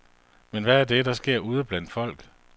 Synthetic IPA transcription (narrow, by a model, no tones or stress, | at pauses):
menʋæːɐd̥e̝d̥ɑ̈sɡ̥e̝ɐ̰uːð̞ˠəb̥læn̰d̥fɒ̽l̰ɡ̥